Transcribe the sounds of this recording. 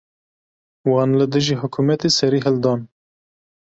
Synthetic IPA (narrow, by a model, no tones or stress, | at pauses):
wɑːnlɨd̪ɨʒiːɦʊkʰumɛt̪eːsɛɾiːɦɛld̪ɑːn